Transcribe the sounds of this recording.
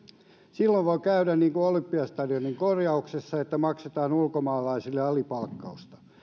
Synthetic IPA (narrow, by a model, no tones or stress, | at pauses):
silːoʋʋoikæydænniːŋkuolympːiɑst̪ɑdioniŋkorjɑuksesːɑet̪ːæmɑkset̪ɑːnulkomɑːlɑisilːeɑlipɑlkːɑust̪ɑ̥